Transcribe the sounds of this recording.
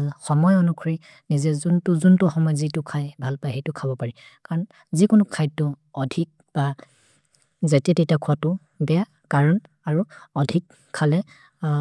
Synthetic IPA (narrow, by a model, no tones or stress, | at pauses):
xɔmɔjɔnukʰɹi | nizɛzuntʊzuntʊxɔmɔjzitʊkʰajbʱalpajɦejtʊkʰabɔpaɹi | kaɹɔn | zikʊnʊkʰajtʊɔdʱik̚ | b̥a | zatɛtejtakʰuatʊ | bɛa | kaɹɔn | aɹuɔdʱikʰːalɛ